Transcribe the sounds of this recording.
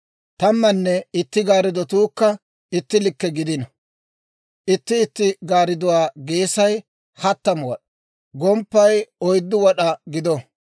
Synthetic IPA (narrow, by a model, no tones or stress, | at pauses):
t̪ɐmːɐnːɛɪt̪ːɪɡaːɾɪd̪ɔt̪uːkːɐ | ɪt̪ːɪlɪkːɛɡɪd̪ɪnɐ | ʔɪt̪ːɪːt̪ːɪɡaːɾɪd̪ʊwaːɡeːsɐj | hɐt̪ːɐmwɔɗɐ | ɡɔmpːɐjɔjd̪ːʊwɔɗɐɡɪd̪ɔ